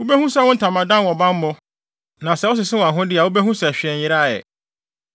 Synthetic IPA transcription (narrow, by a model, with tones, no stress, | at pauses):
ʊ˦bɛ˦hũ˦sɛ˦wʊ̃˦n̩˦tʰã˨mã˨dã˦nwɔ̃˨bã˦m˦mʊ̃˦ | nã˨sɛ˦wɔ˦s̬ɪ˨sɪ˦wɔ̃˨ã˨ɦʊ̃˦dɪ˦a˨wu˦bɛ˦ɦũ˦sɛ˨ɕᶣɪ˨ɛ̃˨ɲjɪ˦ɾa˦˨jɛ̰˨